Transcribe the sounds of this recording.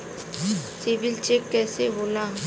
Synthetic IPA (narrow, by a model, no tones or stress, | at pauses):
siʋɪlt͡ʃekːɛːseboːla